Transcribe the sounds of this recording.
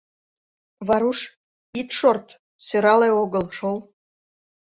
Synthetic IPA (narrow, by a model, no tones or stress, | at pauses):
βɑɾuʃ | it̪ʃort̪ | søɾɑleoɣəlʃol